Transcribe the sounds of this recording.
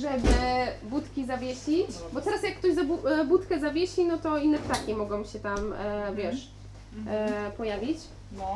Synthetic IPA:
ʐɛbɘbut̪kʲizavʲjeɕʲibɔt̪ɛɾasjakːt̪ɔʑzabubut̪kɛzavʲjeɕinɔt̪ɔinːɛpt̪akʲimɔɡɔ̃w̃ɕɛt̪amvʲjɛʂ | pɔjavʲit͡ɕ

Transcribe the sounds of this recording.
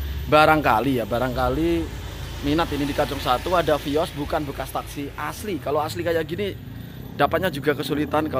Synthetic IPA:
baɾaŋkalijabaɾaŋkali | minat̪inidikad͡ʒɔŋsat̪uadafiɔsbukanbəkast̪aksiʔaslikaloaslikajaʔɡini | dapat̪̚ɲad͡ʒuɡakəsulit̪anka

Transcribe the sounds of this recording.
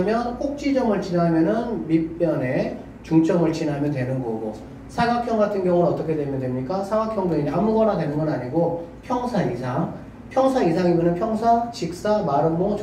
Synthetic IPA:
mjʌnkok̚t͡ɕ͈id͡ʑʌmɯɭt͡ɕinɦamjʌnɯnmip͈ːjʌne̞ | t͡ɕuŋt͡ɕ͈ʌmɯɭt͡ɕinɦamjʌntwe̞nɯnɡʌɡo | sʰaɡakʰjʌŋɡatʰɯnɡjʌŋunʌt͈ʌkʰe̞dwe̞mjʌndwe̞mɲik͈asʰaɡakʰjʌŋdeiamuɡʌnadwe̞nɯnɡʌnaɲiɡopʰjʌŋsʰaisʰaŋ | pʰjʌŋsʰaisʰaŋimjʌnɯnpʰjʌŋsʰat͡ɕik̚s͈amaɾɯmboŋt͡ɕ

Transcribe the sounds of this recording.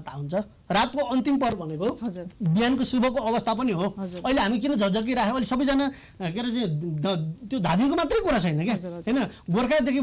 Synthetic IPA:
t̪awunt͡sʰʌ | rat̪koʌnt̪impʌrbʱʌnekobijankosubʱʌkoʌbʌst̪ʰapʌniɦoʌileɦamik̬inʌd͡zʱʌrd͡zʌk̬iɾaɦʰẽʌilisʌbʌjd͡zana | keɾʌt͡saĩ | t̪jod̪ʱad̪inkomat̪rʌjkuɾat͡sʰʌjnʌkjaɦʌjnʌɡorkʰad̪ekʰi

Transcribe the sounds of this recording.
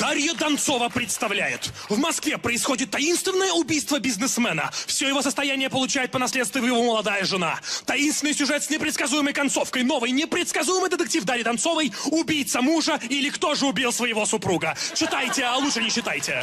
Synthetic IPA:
d̪̥aɾʲjəd̪ɐnt̪so̞vəpɾʲɪt̪st̪ɐvlʲæjɪt̪vmɐskvʲepɾəɪsxo̞dʲɪt̪ːɐinst̪vʲɪnːəjəʊbʲijst̪vəbʲɪznɨsmɛnə̰fsʲojɪvo̞səst̪ɐjænʲɪjəpəlˠʊt͡ɕæjɪt̪̚pənɐsʲlʲet̪st̪vʲɪjʊjɪvoməlˠɐd̪ajəʐɨna̰t̪ɐinst̪vʲɪnɨjsʲʊʐɛt̪snʲɪpɾʲɪt̪skɐzujɪməjkɐnt̪so̞fkəjno̞vəjnʲɪpɾʲɪt̪skɐzujɪmɨjd̪ɪt̪ɨk̚tʲifd̪aɾʲjɪd̪ɐnso̞vəjʊbʲijt̪səmuʐəilʲɪkt̪o̞ʐɨʊbʲilˠsvəjɪvo̞sʊpɾuɡət͡ɕɪt̪ajtʲɪalˠuʂɨnʲɪɕːɪt̪ajtʲɪ

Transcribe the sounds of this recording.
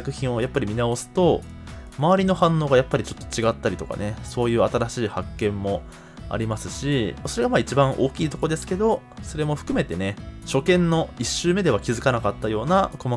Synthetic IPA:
akɯ̟çĩɰ̃o̞japːaɾʲimʲinao̞sɨ̥t̪o̞ | maβaɾʲino̞hãnːo̞ːɡajapːaɾit͡ɕo̞̥t̪ːo̞̥t͡ɕiɡat̪ːaɾʲit̪o̞ka̰ne̞so̞ːjɯ̟ːat̪aɾaɕiːhakːẽ̞mːo̞ | a̰ɾʲimasɨɕiso̞ɾe̞ɡamaːit͡ɕibãɰ̃ʔo̞ːkʲiːt̪o̞ko̞d̪e̞sɨ̥ke̞d̪o̞ | so̞ɾe̞mo̞ɸɯ̟̥kɯ̟me̞t̪e̞ne̞ɕo̞kẽ̞nːo̞iɕːɨːme̞d̪e̞β̞akʲizɨkanakat̪ːajo̞ːnako̞ma

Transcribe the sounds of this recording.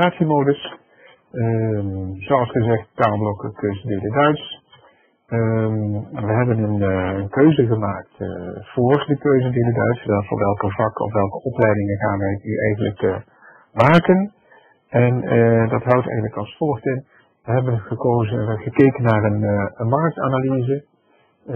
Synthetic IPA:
aːtsimowdəs | ə | zoɑlˠsχəzɛχt̚taːlˠblɔkəkøɥzədɪːdədœɥts | ʋəɦɛbənənənkøɥzəɣəmaːk̚tv̥ʊːrdəkøɥzədɪːdədœɥtsʋɛfʊ̰ʋɛlˠkəvɑkɔ̰fʋɛlˠkəʔɔplɛjdɪŋənχaːnʋɛjyʔɛjɣənlək | maːkən | ɛndɑtɦʌwtɛ̰jɣənləkɑlˠsfɔlˠəxtɪn | ʋəɦɛbənəkozχəkejkənːaːrənənmɑrək̚ta̰ːnalizə

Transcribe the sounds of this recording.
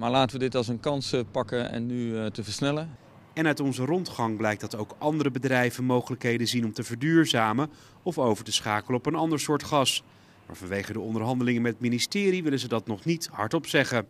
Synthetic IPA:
maːɹlaːtəʋədɪtɑlˠsənkɑnspɑkəɛ̰nːytəvəɹsnɛlə | ɛnœɥtɔnzərɔntχɑŋblɛjk̚dɑtowkʔɑndəɾəbədrɛjvənmowχələkɦejdənzinɔmtəvəɹdyːɹzaːmə | ɔfowvəɹtəsχaːkələɔpənɑndəɹsʊːɹtχɑs | ma̰ːɹvɑnʋejχədəɔndəɹɦɑndəlɪŋənmɛtətministɪːɾiʋɪlənzədɑtnɔχnithɑ̰ɹtɔpsɛχə

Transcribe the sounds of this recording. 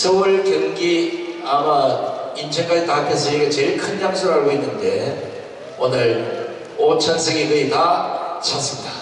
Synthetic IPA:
sʰʌuɭkjɯŋɡiamaint͡ɕʰʌŋk͈ad͡ʑitaɦpʰes̬ʰʌiɡet͡ɕeɭkʰɯnjaŋsʰoɾɦaɭɡoinːɯnde̞ | onɯɭ | ot͡ɕʰʌnsʰeɡeɡɯitat͡ɕʰas͈ɯmɲida

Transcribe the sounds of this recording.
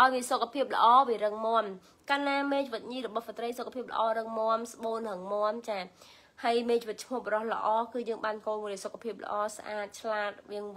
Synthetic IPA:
ʔaɔjʋiəsokʰːapʰiəp̚lə̆ʔɑːʋiəɾəŋmŏəm | kaːnːaːmeːt͡ɕiʋɨt̪̚ɲiːrɔɓɑhsat̪rəjsokʰːapʰiəp̚lə̰̆ʔɑːɾəŋmoəmsɓoːnrəŋmŏəmt͡ɕaː | hajmeːt͡ɕiʋɨt̪̚t͡ɕʰmŭəhɓrɾohlə̰̆ʔɑːkɨːjəːŋɓaːnkoːlmuɗsokʰapʰiəp̚lə̰̆ʔɑːsʔaːt̪̚t͡ɕʰlaːt̪̚ʋiəŋ

